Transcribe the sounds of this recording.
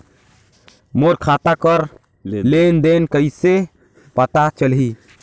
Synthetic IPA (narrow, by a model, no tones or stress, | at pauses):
moɾkʰat̪akəɾ | lend̪enkəise | pət̪at͡ʃəlɦi